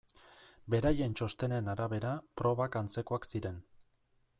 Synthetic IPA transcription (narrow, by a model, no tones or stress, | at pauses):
be̞ɾaje̞nt͡ʃo̞st̪e̞nenaɾaβe̞ɾapɾo̞βakant͡se̞ko̞aksiɾe̞n